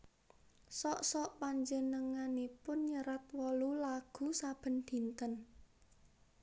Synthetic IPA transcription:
sɔʔsɔʔpaɲd͡ʒənəŋanipʊnɲəɾat̪wɔlulaɡ̥ṳsab̥ə̤nd̪̥i̤nt̪ən

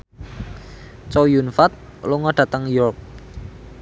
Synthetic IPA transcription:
t͡ʃɔjunfat̪̚ | luŋɔɖ̥ä̤t̪əŋjɔrp̚

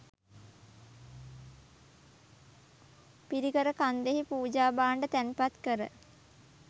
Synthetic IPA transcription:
piɾiɡəɾəkand̪eɦipuːd͡ʒaːbaːɳɖət̪ænpat̪kəɾə̰

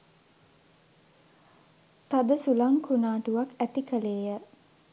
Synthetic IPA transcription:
t̪ad̪əsulaŋkʰunaːʈuʋakæt̪ikəleːjə

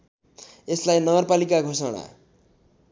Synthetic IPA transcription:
eslajnʌɡʌrpalikaɡʱosʌɽ̃a̰

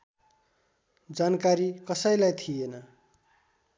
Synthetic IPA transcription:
d͡zankaɾikʌsʌjlajt̪ʰijenʌ

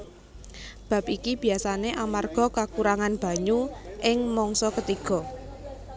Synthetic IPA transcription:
b̥ä̤p̚ikib̥i̤asaneʔamarɡ̥ɔ̤kakuɾaŋanb̥a̤ɲuʔɪŋmɔŋsɔkət̪iɡ̥ɔ̤

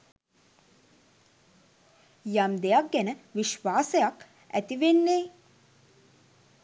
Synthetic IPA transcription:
jamd̪ejɐk̚ɡɛnəʋiʃʋaːsejak | æ̰t̪iʋenːeː

